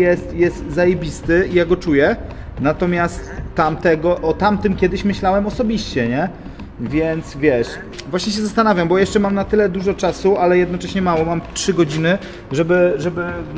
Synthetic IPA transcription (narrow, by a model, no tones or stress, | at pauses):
jɛst̪jɛst̪zajebʲist̪ɘijaɡɔt͡ʂujɛ | nat̪ɔmʲjast̪ːamt̪ɛɡɔʔɔt̪amt̪ɘmkʲɛd̪ɘɕmɘɕlawɛmɔsɔbʲiɕt͡ɕɛɲɛ | vʲjɛnt̪svʲjɛʂ | vwaɕɲɛɕ̬ɛzast̪anavʲjambɔjɛʂt͡ʂɛmamnat̪ɘlɛd̪uʐɔt͡ʂasualɛjɛd̪nɔt͡ʂɛɕɲɛmawɔmamtʂɘɡɔd͡ʑinɘ | ʐɛbɘʐɛbɘ